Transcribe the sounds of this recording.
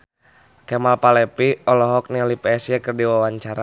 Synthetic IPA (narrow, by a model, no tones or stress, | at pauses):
kɛmalpalɛpiɔlɔɦɔk̚nilipɛɛsiakərdiwawaɲt͡ʃaɾa